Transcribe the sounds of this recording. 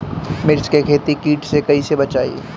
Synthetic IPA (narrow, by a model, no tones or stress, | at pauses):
mɪɾt͡ʃkekʰeːt̪ikiːʈsekɐisebɐt͡ʃaːḭ